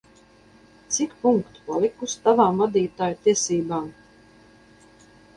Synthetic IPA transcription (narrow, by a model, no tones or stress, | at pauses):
t̪sikpuŋkt̪palˠikust̪avaːmvad̪iːt̪aːjut̪iɛsiːbaːm